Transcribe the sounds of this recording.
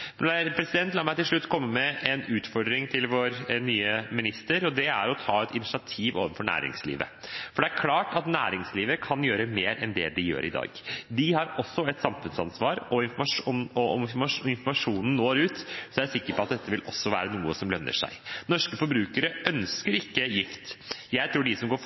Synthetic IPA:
pʰɾɛsɪd̪ɛnt̪lɑːmæɪt̪ɪlʂɭʉt̪ːkʰɔmːəmɛʔɛnʉːt̪fɔɾɖ̪ɾɪŋt̪ʰɪlʋoːɾnyːəmɪnɪst̪əɾɔd̪ɛæɾɔt̪ʰɑːɛt̪ɪnɪʃɪɑt̪ʰiːʋo̰ːʋənfɔɳæ̰ːɾɪ̰ŋslḭːʋə̰fɔɖɛæɾkʰlɑːʈɑt̪næ̰ːɾɪŋsliːʋəkʰɑnjøːɾəmeːɾɛnd̪ɛ̰d̪ɪjø̰ːɾɪ̰d̪ɑ̰ːɡd̪ɪhɑɾɔsːɔɛt̪sɑmfʉnsɑnsʋɑːɾɔɪnfɔɾmɑʂɔmɔɔmɔɾmɑɪnfɔɾmɑʂuːnn̩noːɾʉːt̪sɔæɾsɪkːəɾpɔɑt̪̚d̪ɛt̪ːəʋɪlʔɔsːɔʋæ̰ːɾənuːəsɔmlœnːə̰ʂæ̰ɪnɔʂkəfɔɾbɾʉːkəɾəʔœnskəɾɪkːəjɪft̪jæɪt̪ʰɾuːɖɪsɔmɡoː

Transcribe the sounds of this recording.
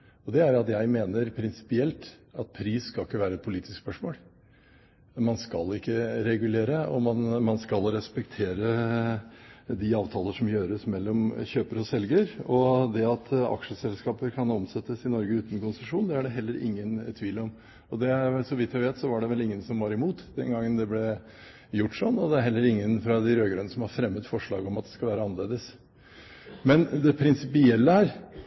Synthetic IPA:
ɔd̪ɛæɾɑt̪jæɪmeːnəɾpʰɾɪnsɪ̥pɪɛlt̪ɑt̪̚pʰɾiːsskɑlɪkːəʋæːɾəɛt̪̚pʰʊliːt̪ɪskspœʂmoːl | mɑnskɑlɪkːəɾɛɡʉleːɾəɔmɑnmɑnskɑlɾɛspɛkt̪ʰeːɾə | d̪ɪɑːʋt̪ʰɑːləʂɔmjøːɾəsmɛlːɔmçøːpəɾɔsɛlɡəɾɔd̪ɛɑt̪ʰɑ̰kʂəsɛlskɑːpəɾkʰɑnɔmsɛt̪ːəsɪnɔɾɡəʉːt̪ənkʊnsəʂuːnd̪ɛæɖɛɦɛlːəɾʔɪ̰ŋːənt̪ʰʋiːlɔm | ɔd̪ɛsɔʋɪt̪ːjæɪʋeːt̪sɔʋɑɖɛʋɛlɪŋːənsɔmʋɑɾɪmuːt̪d̪ɛ̰nɡɑŋːənd̪ɛblɛ | jʊʈːʂɔnːɔd̪ɛæɾɦɛlːəɾɪŋːənfɾɑd̪ɪɾøːɡɾœnəsɔmhɑɾfɾɛmːət̪fɔʂɭɑ̰ːɡɔmɑt̪̚d̪ɛ̥skɑlʋæːɾəɑnːəleːd̪əs | mɛnd̪ɛpʰɾɪnsɪpɪɛlːəæɾ

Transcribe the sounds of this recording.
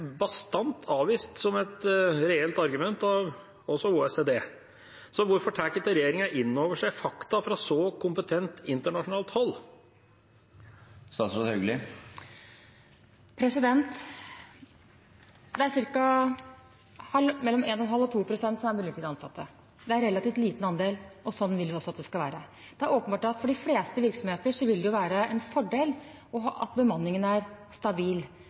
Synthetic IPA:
bɑst̪ɑnt̪ʰɑːʋiːst̪sɔmɛt̪ɾɛɛlt̪ɑɾɡʉmɛnt̪ɑʋ | ɔsɔuːɛseːd̪eː | sɔʋʊɾfɔʈʰæːkət̪əɾɛjeːɾɪŋɑʔɪnːoːʋəʂæɪfɑkt̪ɑfɾɑsɔkʰʊmpət̪ʰɛnt̪ɪnt̪əɳɑʂʊnɑːlt̪hɔlː | st̪ɑːt̪sɔœɡlɪ | pʰɾɛsɪd̪ɛnt̪ | d̪ɛæɾsɪɾkɑ | hɑlmɛlːɔmeːnɔnɦɑlːɔt̪ʰuːpʰɾʊsɛnt̪sɔmæɾmʉlək̪ʰɪːd̪ɑnsɑ̰t̪ʰːə | d̪ɛæɾɛlɑt̪iːʋt̪liːt̪n̩ɑnd̪eːlʔɔsɔnːʋɪlʋɪɔsɔɑt̪d̪ɛskɑʋæːɾə | d̪̥ɛæɾoːpənbɑːʈɑt̪fɔɖɪfleːst̪əʋɪɾksɔmheːt̪əʂɔʋɪld̪ɛjʊʋæːɾəɛnfɔɖeːl | ɔɦɑʔɑ̰t̪̚bəmɑnːɪŋənæɾst̪ɑbiːl

